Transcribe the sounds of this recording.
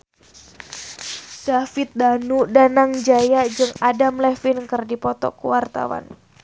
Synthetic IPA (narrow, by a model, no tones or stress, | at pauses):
d̥afɪt̪̚danudanaŋd͡ʒajad͡ʒɨŋadamlɛfɪnkɨrdipɔt̪ɔ̰kuwart̪a̰wa̰n